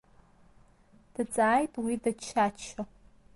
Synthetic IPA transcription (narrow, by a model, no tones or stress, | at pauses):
d̥ɨt͡sʼaːjtʼwiːdɐt͡ʃʰaːt͡ʃʰɐ